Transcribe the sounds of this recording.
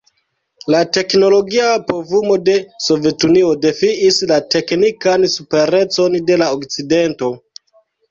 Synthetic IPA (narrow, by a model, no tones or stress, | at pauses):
late̞kno̞lo̞ɡiapovumo̞de̞so̞ve̞tuniode̞fiislate̞knikansupe̞ɾe̞t͡so̞nde̞laokt͡side̞nto̞